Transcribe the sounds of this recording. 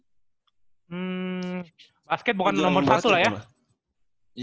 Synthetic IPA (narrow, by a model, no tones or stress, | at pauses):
m̩ | baskɛt̪̚bukanːɔmɔrsat̪ulahja